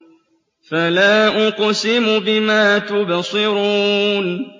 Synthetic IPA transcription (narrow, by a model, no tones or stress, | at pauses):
falaːʔʊqsɪmʊbɪmaːt̪ʊbasˤɨɾuːn